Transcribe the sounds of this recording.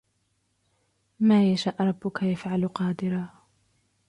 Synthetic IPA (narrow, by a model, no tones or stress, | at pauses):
maːjaʃaːʔɾˤɑbːʊkajafʕalqɑːd̪ɪɾaː